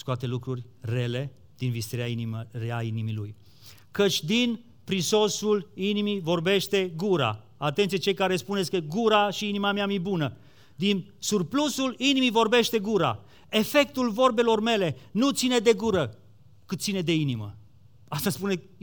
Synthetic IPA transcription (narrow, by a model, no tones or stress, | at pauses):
skuat̪e̞lukɾurʲre̞le̞ | d̪̥invist̪eɾeɾeainimilṵj | kət͡ʃʲd̪in | pɾiso̞sulinimivo̞rbe̞ʃt̪e̞ɡuɾa̰ | at̪e̞nt̪sijet͡ʃe̞jkaɾe̞spuneskəɡuɾaʃiinimameamibunə | d̪insurplusulinimivo̞rbe̞ʃt̪e̞ɡuɾa̰ | e̞fe̞k̚t̪ulvo̞rbe̞lo̞rme̞le̞nut̪sine̞d̪e̞ɡuɾə | kɨt̪t̪sined̪e̞inimə̰ | ast̪aspune